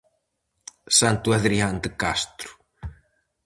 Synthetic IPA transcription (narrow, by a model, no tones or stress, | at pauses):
sant̪uɛðɾihand̪kast̪ɾu̥